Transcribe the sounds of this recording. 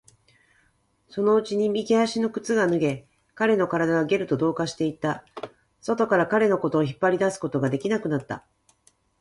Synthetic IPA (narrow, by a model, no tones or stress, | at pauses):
so̞no̞ɯ̟t͡ɕiɲ̟imʲiɡeaɕino̞kɯ̟̥t͡sɨɡanɯ̟ɡe̞ | kaɾe̞no̞kaɾad̪aβaɡe̞ɾɯ̟t̪o̞d̪o̞ːkaɕi̥t̪e̞it̪a | so̞t̪o̞kaɾakaɾe̞no̞ko̞t̪o̞ːçipːaɾʲid̪asɨ̥ko̞t̪o̞ɡad̪e̞kʲinakɯ̟nat̪ːa̰